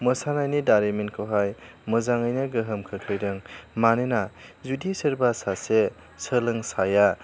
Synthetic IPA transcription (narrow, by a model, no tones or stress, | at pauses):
mɐsanajnidaɾemenkʰowɦaj | mɐzaŋajnɐɡɯɦɯmkʰɯkʰɯjdɯŋmanenazudisɐɾbasase | səlɐŋsaja